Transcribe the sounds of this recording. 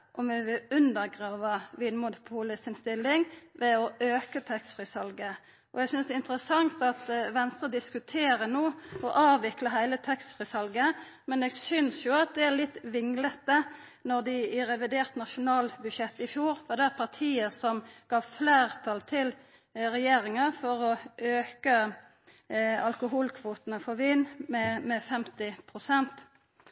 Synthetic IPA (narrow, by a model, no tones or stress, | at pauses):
ʔɔmʋɛʋɪʉnd̪əɾɡʁɑːʋɑʋiːnmʊnʊpʰuːləsɪnst̪ɪlːɪŋʋɛɔʔøːkət̪ʰɛkst̪fɾɪsɑlɡə | ʔɔɛɡsʏnsd̪ɛɪnt̪əɾəsɑŋt̪ɑt̪ʋɛnst̪ʁəd̪ɪskʉt̪ʰeːɾənoːɔʔɑːʋɪkləɦæɪlət̪ʰɛkst̪fɾɪsɑlɡə | mɛneːɡsʏnsjʊɑt̪̚d̪ɛælɪt̪ːʋɪŋlət̪ə | nɔʁd̪ɪɾɛʋɪd̪eːʁt̪nɑʃʊnɑːlbʉd̪ʃjɛt̪ːɪfjuːɾʋɑd̪ɛæpʰɑʁt̪ʰiːəsɔmɡ̥ɑːʋfleːʁt̪ʰɑlt̪ʰɪl | ɾɛjeːɾɪŋəfɔɾɔʔøːkə | ɑlkʊɦuːlkʰʋuːt̪ənəfɔɾʋiːnmɛmɛfɛmt̪ɪpʰʁʊsɛnt̪